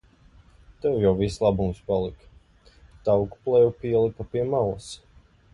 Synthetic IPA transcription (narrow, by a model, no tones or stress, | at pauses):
t̪ɛwjawvislˠabumspalˠik | t̪awkuplˠɛjupiɛlˠikapiɛmalˠas